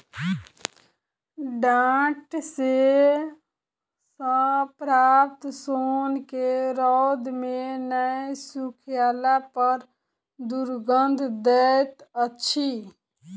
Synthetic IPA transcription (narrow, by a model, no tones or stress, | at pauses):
ɖãːʈse | sə̃pɾaːpt̪soːnkeɾɔd̪menəjsukʰijaːlapəɾ | d̪uɾɡənd̪ʱd̪ɛt̪ətːt͡ʃʰʃʰi